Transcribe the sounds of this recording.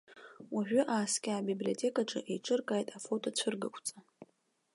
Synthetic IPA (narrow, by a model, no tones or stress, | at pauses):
waʒᶣʷʊʔaːskʲʼɪabiblio̞tʰe̞kʼaʈ͡ʂʼaʔejʈ͡ʂʼɨrkʼajtʼafotʰʼot͡ɕʷʰɨrɡakʷʰʼt͡sʼa